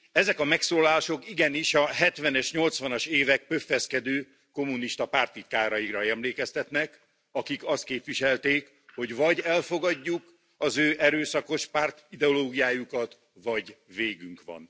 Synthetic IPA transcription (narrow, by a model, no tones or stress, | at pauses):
ɛzɛkɒmɛksoːlaːʃo̞kiɡɛniʃɒɦɛt̪ʋɛnɛʃɲo̞lt̪sʋɒnɒʃeːvɛk̚pøfːɛskɛd̪øː | ko̞mːuniʃt̪ɒpaːrt̪it̪̚kaːɾɒjikrɒɛmleːkɛst̪ɛt̪nɛk | ɒkikɒst̪̚keːpʋiʃɛlt̪eːk | ho̞ɟvɒɟɛlfo̞ɡɒɟːuk | ɒzøːʔɛɾøːsɒko̞ʃpart̪id̪ɛoloːɡijaːjukɒt̪ | ʋɒɟveːɡyŋkʋɒ̰n